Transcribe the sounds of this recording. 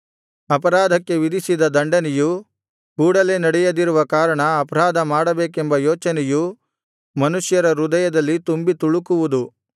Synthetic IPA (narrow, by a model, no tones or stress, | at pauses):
ɐpɐɾaːd̪ʱɐkːe̞ʋid̪isid̪ɐd̪ɐɳɖɐnɛju | kuːɽɐleːnɐɽɛjɐd̪iɾuʋɐkaːɾɐɳɐːpɐɾaːd̪ʱɐmaːɽɐbeːkembɐjoːt͡ʃɐnɛju | mɐnuʂjɐɾɐɾud̪ɐjɐd̪ɐlːit̪umbit̪uɭukuʋud̪u